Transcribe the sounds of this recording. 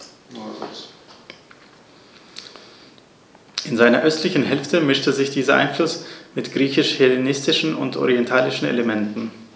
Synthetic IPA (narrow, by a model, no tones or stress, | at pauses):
ʔɪnzaɪnɐʔœstlɪçn̩ɦɛlftəmɪʃtəzɪçd̥iːzɐʔa̰ɪnflʊsmɪtɡ̥ʁiːçɪʃhelenɪstɪʃn̩ʊ̰ntʔɔ̰ʁiɛntʰaːlɪʃn̩ḛləmɛntn̩